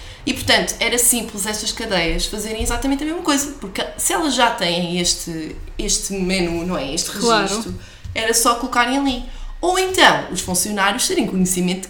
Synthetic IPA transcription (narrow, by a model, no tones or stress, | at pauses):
ipuɾt̪ɐ̃nt̪u̥ɛɾɐsĩmplˠzɛʃt̪ɐʃkɐðɐjɐʃfɐzeɾɐ̃j̃izat̪ɐmẽnt̪ɐmeʒmɐkojzɐpuɾksɨɛlˠɐʒat̪ɐ̃j̃ɐ̃j̃eʃt̪ɨ | eʃt̪mɛnunɐ̃w̃ɛeʃt̪ʁɨʒiɾʃt̪u | ɛɾɐsɔkulˠukaɾɐ̃j̃ɐlˠi | owẽnt̪ɐ̃w̃uʃfũsiunaɾjuʃt̪eɾɐ̃j̃kuɲsimẽnt̪